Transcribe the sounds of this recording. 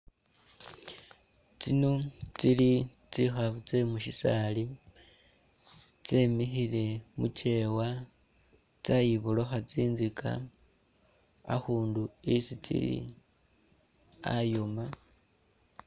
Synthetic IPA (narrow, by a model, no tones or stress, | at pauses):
t͡sinot͡sili | t͡sixaβut͡se̞muʃisali | t͡semixile̞mucʰe̞wa | t͡sajiβuloxat͡siːnzikʰa̰ | a̰xuːnduisit͡sḭlḭ | a̰joma